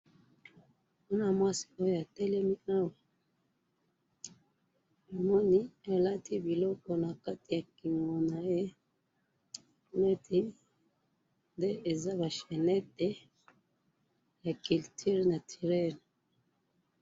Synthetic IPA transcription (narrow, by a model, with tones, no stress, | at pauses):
bu˦na˦mwa˦si̥˨o˦jo˨ja˨tɛ˦lɛ˦mi˦na˦we˨ | o˨mɔ˦ni˦a˨la˦ti˦bi˨lɔ˦kɔ˨na˨ka˦ti˨ja˨ki˨ŋo˨na˨je˦˨ | nɛ˦tʰi˦ | nde˦ʔe˨za˦βa˨ʃe˨nɛ˦te˦ | ja˨ki˨ltʰi˦ʁna˨tʰi˨ʁɛ˦n˨